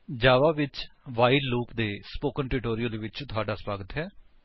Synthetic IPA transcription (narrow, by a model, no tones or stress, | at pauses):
d͡ʒaːʋaːʋɪt͡ʃʋaːiɖluːpd̪eːspoːkənʈɾɪʈoːɾɪjəlʋɪt͡ʃt̪ʰʊaːɖaːswaːɡət̪ɦɛː